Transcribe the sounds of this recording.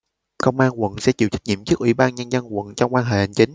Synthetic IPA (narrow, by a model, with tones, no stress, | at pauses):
kə˧wŋ͡mʔaː˧nkwə̰˧˨nsɛ̰˧˥t͡ɕḭ˧˨wt͡ɕa˦˥k̚ɲḭ˧˨əmt͡ɕɨ˦˥kʔwḭ˧˩˦ɓaː˧nɲə˧nzə˧nkwə̰˧˨nt͡ɕɔ˧wŋ͡mkwaː˧nɦḛ˧˨ha˨˩ŋ̟t͡ɕï˨˦ŋ̟